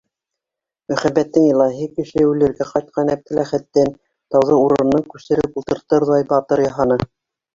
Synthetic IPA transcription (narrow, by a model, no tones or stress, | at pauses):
mɵ̆χæbæt̪ːɘŋjɤ̆lˠɑɦɘkɘ̆ʃɘʉlɘ̆ɾɡæqɑjt̪̚qʰɑnæp̚t̪ɘ̆læχæt̪ːæn | t̪ɑwðɤuɾɤ̆nːɤŋkʉsɘ̆ɾɘpulˠt̪ɤ̆ɾt̪ɤɾðɑjbɑt̪ɤɾjɑɦɑnɤ